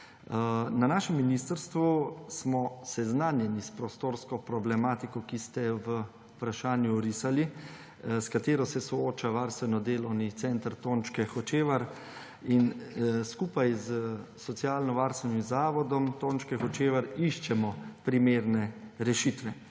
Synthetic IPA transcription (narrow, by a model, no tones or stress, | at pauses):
nanaːʃɛmːinist̪əɾst̪ʋusmɔsɛznaːnjɛnispɾost̪oːɾskɔpɾɔblɛmaːt̪ikɔkist̪ɛʋə | upɾaʃaːnjuɾisali | skat̪eːɾɔsɛsɔoːt͡ʃaʋaɾst̪ʋɛnɔd̪eːlɔwnit̪sɛnt̪ɾt̪oːnt͡ʃkɛxɔt͡ʃeːʋaɾ | inskuːpajzsɔt̪sijaːlnɔʋaɾst̪ʋɛnimzaːʋɔd̪ɔmt̪oːnt͡ʃkɛxɔt͡ʃeːʋəɾiʃt͡ʃɛmɔpɾimeːɾnɛɾɛʃit̪ʋɛ